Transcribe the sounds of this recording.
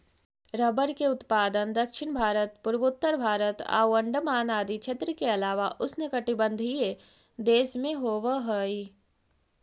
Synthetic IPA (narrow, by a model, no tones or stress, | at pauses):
ɾəbəɾkeʊt̪paːd̪ənd̪ɐkʃɪɳbʱaːɾət̪pʊɾbʊt̪ːəɾbʱaːɾət̪a̰ːwɐ̃ɳɖəmaːnaːd̪it͡ʃʰeːt̪ɾəkeɐlaːʋaʔʊsnekɐʈibə̃nd̪ʱie | d̪eːsmẽɦoːʋəɦəi